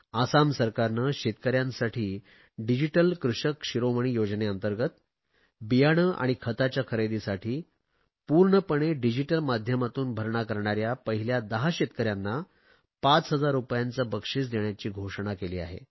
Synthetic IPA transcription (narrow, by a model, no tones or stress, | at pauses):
asamsəɾkaɾnəɕet̪̚kəɾjãnsaʈʰiː | ɖid͡ʑiʈəlkɾuʂəkɕiɾoməɳ̃iːjod͡zneənt̪əɾɡət̪ | bijaɽ̃əʔa̰ɽ̃ikʰət̪at͡ɕjakʰəɾed̪isaʈʰiː | puɾɳəpəɽ̃eɖid͡ʑiʈəlmad̪ʱjəmat̪uːnbʱəɾɳakəɾɳaɾjapəɦiljad̪əɦaɕet̪̚kəɾjanːa | pat͡sɦəd͡zaɾːupjãnt͡səbəkʂiːt͡sd̪eɳjat͡ɕiːɡʱoʂɳ̃akeliːa̰ɦḛ